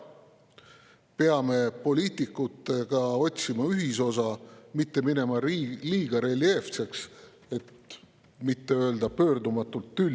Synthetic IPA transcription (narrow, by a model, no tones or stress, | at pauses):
pe̞ɑme̞po̞lʲiːt̪ˑikːˑut̪ːˑe̞ɡ̥ɑo̞t̪ʲsimɑyɦiso̞sɑmit̪ːe̞mine̞mɑliːɡ̥ɑɾe̞lie̞ft̪se̞ks | e̞t̪ | mit̪ːe̞ø̞eld̪ɑpø̞ːɾd̪umɑt̪ːˑult̪ːylʲ